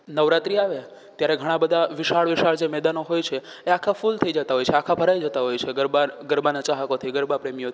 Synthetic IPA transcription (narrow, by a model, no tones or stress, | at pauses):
nəʋɾat̪ɾiaʋe | t̪jaɾeɡʱəɽ̃ãbəd̪ʱaʋiʃaɭʋiʃaɭd͡ʒemɛd̪anoɦojt͡ʃʰe | eakʰafult̪ʰəid͡ʒət̪aɦojt͡ʃʰeakʰabʱəɾajd͡ʒət̪aɦojt͡ʃʰeɡəɾbaɡəɾbanat͡ʃaɦəkot̪ʰiɡəɾbapɾemijot̪ʰi